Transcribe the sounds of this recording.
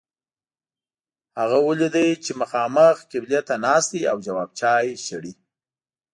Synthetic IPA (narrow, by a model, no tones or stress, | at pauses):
haɣawəlid̪əjt͡ʃeməxɑməxkɪblijat̪anɑst̪iawd͡ʒawɑb̚t͡ʃɑjʃəɽi